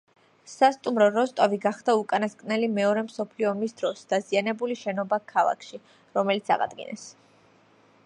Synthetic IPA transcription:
sast̪ʼumɾɔɾɔst̪ʼɔviɡaχd̪̥aukʼanaskʼnɛlimɛɔɾɛmsɔpʰliɔmisd̪ɾɔsd̪̥azianɛbuliʃɛnɔbakʰalˠa̰kʰʃi | ɾɔmɛlit̪sʰa̰ʁa̰d̪ɡḭnɛ̰s

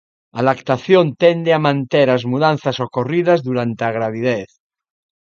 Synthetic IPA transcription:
alakt̪aθjont̪end̪eamãnt̪eɾazmuðanθasokoriðazðuɾant̪eaɣ̞ɾaβ̞ið̞eθ

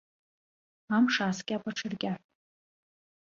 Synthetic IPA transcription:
amʂaːskʲʼapʼaʈ͡ʂʰɨrkʲʼa

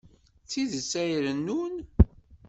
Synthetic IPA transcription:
θiðəsæjɾənːun

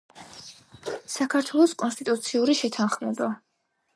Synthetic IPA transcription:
sakʰaɾt̪ʰwɛlˠɔskʼɔnst̪ʼit̪ʼut̪sʰiuɾiʃɛt̪ʰanχmɛba

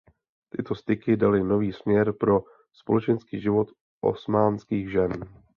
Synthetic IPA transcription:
t̪ɪt̪o̞st̪ɪkɪdalɪno̞viːsmɲɛɾpɾo̞ | spo̞lɛt͡ʃɛnskiːʒɪvo̞t̪ | ʔo̞̰smaːnskiːɣʒɛn

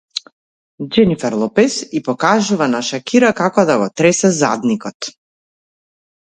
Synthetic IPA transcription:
d͡ʒɛnifɛɾlˠɔpɛsipɔkaʒuvanaʃakiɾakakɔd̪aɡɔt̪ɾɛsɛza̰d̪nikɔt̪

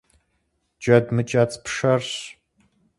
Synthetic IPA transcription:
d͡ʒʼɐdmɨt͡ʃʼɐt͡sʼpʰʂɐrɕ

